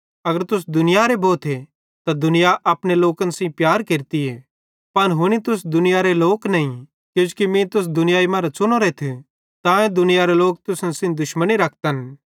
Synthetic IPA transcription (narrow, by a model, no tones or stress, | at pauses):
ɐɡəɾt̪ʊs̬d̪ʊnɪjaɾeboːt̪ʰe | t̪ad̪ʊnɪjaʔɐpñeloːkənsĩpjaːɾkeːɾt̪ie | pɐnɦʊñit̪ʊsd̪ʊnɪjaɾeloːknɐĩ | kjũːd͡ʒkimĩt̪ʊs̬d̪ʊnɪjaːimãːɾat͡ʃʊñoɾet̪ʰe | t̪ãːẽd̪ʊnɪjaɾeloːk̚t̪ʊsnsĩd̪ʊʃməniɾɐk̚ʰt̪ən